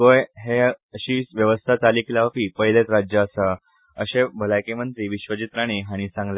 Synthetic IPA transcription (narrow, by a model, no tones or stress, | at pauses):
ɡojɦeəɕiːʋjəʋəst̪ʰat͡saliklaʋpiːpəjlet̪ɾad͡ʑjəːsa | ə̰ɕebʱəlajkemənt̪ɾiːʋiɕʋət͡ɕit̪ɾaɽ̃iɦaɽ̃isãŋɡla